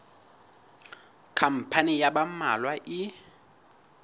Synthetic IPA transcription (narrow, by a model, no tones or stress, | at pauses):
kʰam̩pʰanijaɓama̰lwaʔɪ